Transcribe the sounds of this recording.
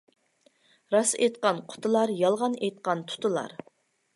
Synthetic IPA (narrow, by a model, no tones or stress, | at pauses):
ɾɑsḛjt̪qɑnqʰʊ̥t̪ʰɨlˠɑɾjɑlˠʁɑnejt̪̚qɑnt̪ʰʊ̥t̪ʊlˠɑ̰ɾ